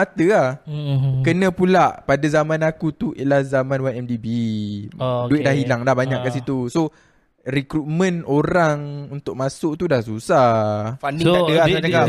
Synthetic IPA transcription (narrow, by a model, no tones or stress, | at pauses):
at̪əah | kənə̃pulaʔpadazamãnakut̪uʔḛʔlahzamãnwaɛmdibi | duɪt̪̚dahilaŋlahbaɲaʔkːasit̪uso | rikɾut̪̚mə̃noɾaŋunt̪ʊʔ̚mãsʊʔt̪udahsusafandiaəaaa